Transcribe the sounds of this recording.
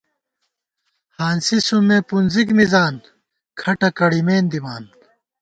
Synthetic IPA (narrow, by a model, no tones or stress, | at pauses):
haːnsisumeːpunzikmizaːn | kʰɐʈɐkɐɽimeːnd̪imaːn